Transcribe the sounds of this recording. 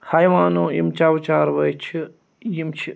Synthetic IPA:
hɐjʋaːnõːimt͡ʃaːwt͡ʃaːɾʋɐjt͡ʃʰi | jimt͡ʃʰi

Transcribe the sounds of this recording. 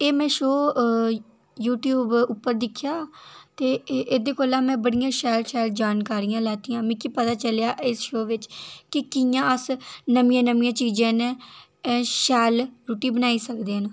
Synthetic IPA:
eːmɛ̃ːʃoː | juːʈjuːbʊpːəɾd̪ɪkʰːjaːt̪eːʔed̪eːkoːlãːmɛ̃ːbəɽɪjãːʃɛːlʃɛːld͡ʒaːnkaːɾijãːlɛːt̪iːãːmĩːkipət̪aːt͡ʃəljaːʔɪsʃoːʋɪt͡ʃkɪkɪjãːəsnəmɪjãːnəmĩãːt͡ʃiːd͡ʒãːnɛ̃ː | ʃɛːlɾuːʈiːbənaːiːsəkd̪eːənː

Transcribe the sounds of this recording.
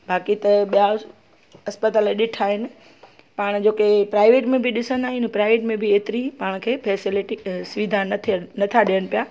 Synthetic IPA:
bʱaːkit̪ɐɓija | ɐspət̪aːleɗɪʈʰaːɦɪnɪ̆ | paːɽ̃d͡ʑoːkepɾaːɪʋeːʈmẽbʱiɗɪsə̃nd̪aːɦɪnpɾaːɪʋeːʈmẽbʱieːt̪ɪɾipaːɽ̃kʰeːpʰɛːsɪlɪʈisʊʋɪd̪ʱant̪ʰnɐt̪ʰaɗijəɽ̃pijaː

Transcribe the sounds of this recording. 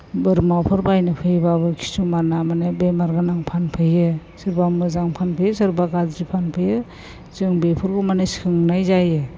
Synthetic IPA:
bɯɾmawpʰɯɾbajnɯpʰɯjbabɯkʰi̥sumanamanebemaɾɡanaŋpʰanpʰɯjɯ | sɯɾbamɯzaŋpʰanpʰɯjɯsɯɾbaɡazɾipʰanpʰɯjɯ | zɯŋbepʰɯɾɡɔmanɯsɯŋnajzajɯ

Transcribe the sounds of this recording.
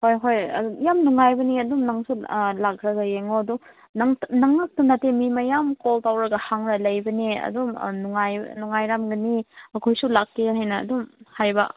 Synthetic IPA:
hojɦojɐ̰jamnuŋajbɐniɐdumnɐŋsulakɾɐɡajeŋoɐdu | nɐŋnɐŋnɐk̚tunatemimɐjamkoltawɾɐɡɐhaŋɾɐlɐjbɐniɐ̰dum̰nuŋaj̰nuŋajɾamɡɐniɐkʰojsulakːeɦajnɐ̰ːdumhajbɐ̰

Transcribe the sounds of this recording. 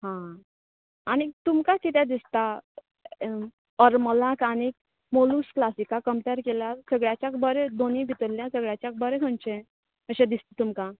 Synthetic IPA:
ɦã | añit̪umkakit̪̬ẽd̪ist̪a | əɾməlãkanik | molusklasikakəmpeɾkelasəɡɭjat͡ɕjakbəɾed̪onibʱit̪əɾlːjãsəɡɭjat͡ɕjak̚bəɾekʰəɳt͡ɕẽ | əɕẽd̪ist̪et̪umka

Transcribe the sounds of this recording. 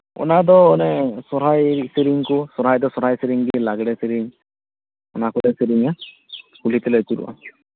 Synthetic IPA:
ɔ̰nad̪ɔːnɛsɔɾajsiɾiŋkusɔɾajd̪ɔsɔɾajseɾiŋɡilaɡɽɛseɾiŋ | ʊ̰nakudɛseɾiŋa | kulit̪elojt̪uɾṵwa̰

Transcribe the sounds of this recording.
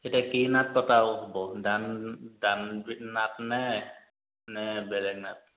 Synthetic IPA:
hitɛkinat̪̚pɔt̪awɦɔbɔdandanbit̪̚nat̪̚nɛ | nɛbɛlɛk̚nat̪̚

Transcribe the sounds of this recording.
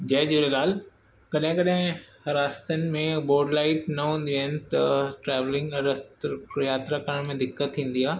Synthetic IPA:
d͡ʑɐɦd͡ʑuɾelaːl | kɐɗɦɪ̃kɐɗɦɪ̃ | ɐɾaːst̪ənɪ̆mẽboːɖlaːɪʈnɐɦũːn̆d̪iaːɦɪnɪ̆t̪ɐʈɾɛːʋlɪ̃ŋɡɐɾst̪jaːt̪ɾakɐɾəɽ̃mẽd̪ɪkːət̪ʰːĩːn̆d̪iaː

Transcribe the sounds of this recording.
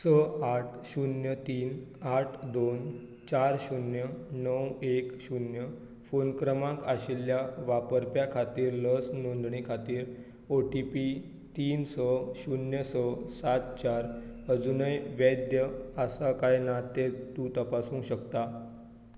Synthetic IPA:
səaʈʰɕunjət̪iːn | aʈʰd̪on | t͡ɕaɾɕunjənəwekɕunjə | fonkɾəmãkaɕiljaʋapəɾpjakʰat̪iːɾləsnond̪ɳikʰat̪iːɾ | oʈipi | t̪iːnsəɕunjəsəsat̪̚t͡ɕaɾəd͡zunəjʋjəd̪jəasakajnat̪et̪uːt̪əpasũːŋɕəkt̪a

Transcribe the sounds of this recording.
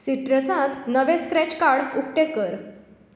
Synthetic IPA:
siʈɾəsãt̪nəʋẽskɾɛt͡ɕkaɽuk̚ʈekəɾ

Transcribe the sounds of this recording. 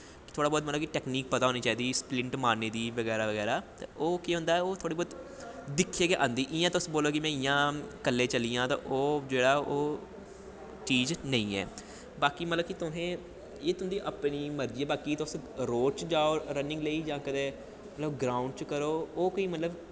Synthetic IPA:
kt̪ʰoːɽaːbɔːt̪mət̪ləbkiʈɛːkniːk̚pət̪aːɦoːniːt͡ʃaːiːd̪iːsplɪ̃ɳʈmaːneːd̪iːʋəɡɛːɾaːʋəɡɛːɾaːt̪ã̰ʔoːkiɦʊ̃nd̪aːɛoːt̪ʰoːɽiːbɔːt̪ | d̪ɪkʰːeːkeʔã̰ːnd̪iːʔɪjãːt̪ːʊsboːloːkɪmɛ̃ːɪjãːkəlːeːt͡ʃəliːãːt̪ã̰ːʔoːd͡ʒeːɽaːoː | t͡ʃiːznəĩːɛ̰ː | baːkiːmət̪ləbkit̪ʊnẽː | eːt̪ʊɦʊ̃nd̪iːʔəpniːməɾd͡ʒiːaːbaːkiːt̪ːʊsɾoːt͡ʃd͡ʒaːoːɾənɪ̃ŋɡləiːd͡ʒãːkəd̪eː | mət̪ləbɡɾaːʊ̃ɳɖ̚t͡ʃkəɾoːkoiːmət̪ləb

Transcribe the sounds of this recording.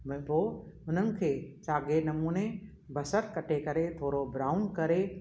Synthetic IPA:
btoːʊnənɪ̆kʰeːt͡ʃaːɡenɐmuːne | bʱɐsəɾkɐʈʰekɐɾet̪ʰoːɾobɾaːʊnkɐɾe

